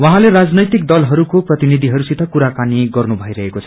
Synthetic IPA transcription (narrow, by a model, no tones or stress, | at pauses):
wʌɦãleɾad͡znʌjt̪ik̚d̪ʌlɦʌɾukoprʌt̪inid̪ʱiɦʌɾusit̪ʰʌkuɾakaniɡʌrnubʱʌiɾʌɦekot͡sʰʌ̥